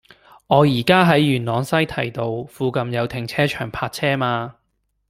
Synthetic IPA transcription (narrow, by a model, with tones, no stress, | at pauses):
ŋɔː˨˧jiː˨˩kaː˥ɦɐ˨˥jːyː˨˩nlɔː˨˧ŋsɐ˥jt̪ʰɐ˨˩jt̪o˧wfuː˨˧kɐ˧mjɐ˨˧wt̪ʰɪ˨˩ŋt͡sʰɛː˥t͡ʃʰœː˨˩ŋpʰaː˧t̚t͡sʰɛː˥maː˧